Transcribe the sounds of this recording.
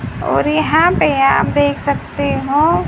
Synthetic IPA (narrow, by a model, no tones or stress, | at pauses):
ɔ̰ːɾjɐɦãpejaɦə̰md̪eːkʰsɐkt̪eɦõː